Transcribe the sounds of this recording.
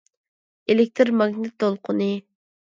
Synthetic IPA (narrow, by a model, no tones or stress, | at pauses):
elɪk̚ʲt̪ʰɾmɑɡnɪt̪ːolˠqʰʊnɨ